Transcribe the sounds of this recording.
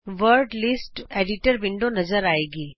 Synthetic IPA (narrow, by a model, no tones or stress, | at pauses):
ʋəɾɖlisʈeɖiʈəɾbɪɳɖonɐzəɾaːeːɡiː